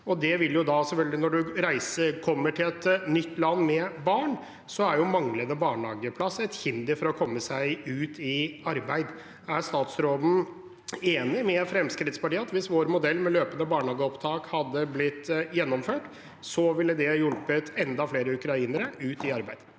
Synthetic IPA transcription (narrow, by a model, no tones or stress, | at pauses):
ɔd̪ɛʋɪljʊd̪ɑsɛfœlɡəlɪnɔɖʉɾæɪsəkʰɔmːəʈʰɪlɛt̪nʏt̪ːlɑnːmɛbɑːɳ | sɔæɾjʊmɑŋləd̪əbɑːɳhɑːɡəpʰlɑsɛt̪hɪnd̪ɪfɔɾɔkʰɔmːəsæɪʉːt̪ɪɑɾbæɪd̪ | æst̪ɑːt̪sɾoːd̪n̩ | eːnɪmɛfɾɛmskɾɪt̪spɑʈiːɑt̪ʋɪsʋoːɾmʊd̪ɛlːmɛløːpənəbɑːɳhɑːɡəɔpt̪ʰɑːkhɑd̪ːəblɪt̪ːjɛnːɔmføːʈ | sɔʋɪlːəd̪ɛjɔlpət̪ʰɛnd̪ɑfleːɾəʉkɾɑiːnəɾəʉːt̪ɪɑɾbæɪd̪̥